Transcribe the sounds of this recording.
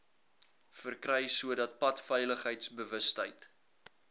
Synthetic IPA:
fərkrɛjsuədɐt̚pɐtfɛjləχɦəjtsbəvəstəjt

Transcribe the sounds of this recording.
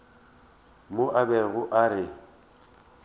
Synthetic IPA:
mʊʔabɛɣʊʔaɾɪ

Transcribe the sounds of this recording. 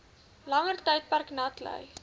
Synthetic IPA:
lɐŋərtəjt̚pærknɐtlə̰j

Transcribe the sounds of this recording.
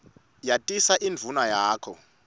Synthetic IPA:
jatʼisaʔind͡vʱunajaːkʰɔ

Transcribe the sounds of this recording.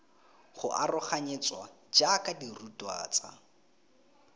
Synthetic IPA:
χʊ̰ʔarʊχaɲet͡sʼwa | d͡ʒakʼadirutʼwa̰ːt͡sa

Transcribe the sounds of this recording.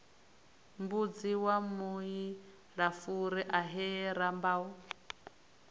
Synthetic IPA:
mbud͡ziwamui | ɺafuɾɛʔaɦɛɾambau

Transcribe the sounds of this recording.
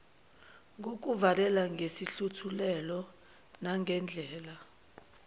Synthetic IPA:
ŋɡʱok̬uvalɛlaŋɡesiɬutʰulɛlɔ | naŋɡʱɛnd͡ɮʱɛːla

